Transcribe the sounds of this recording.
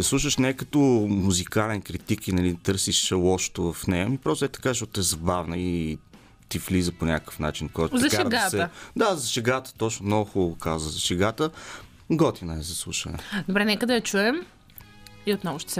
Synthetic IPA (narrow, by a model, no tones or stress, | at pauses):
ɐslˠuʃəʃnɛkət̪omuzikalɛnkɾit̪ikinɐlit̪ɤɾsiʃlˠɔʃt̪ovɐfnɛjəmipɾɔst̪ɛt̪ɐ̥kaʃɔt̪ɛzɐbavnəi | t̪ivlizəponʲakə̥fnat͡ʃinkoɡt̪tzɐʃkaɛɾɡasɛd̪azɐʃɛɡat̪ə̥t̪ɔt͡ʃnomnoɡʊxubəvʊkazvəzɐʃɛɡat̪ə | ɡɔt̪inɐɛzɐslˠuʃɐ̰nɛ̰d̪obɾɛnɛkəd̪ɐjɐt͡ʃuɛm | iot̪nɔɡʊʃt̪ɛ̥sɛ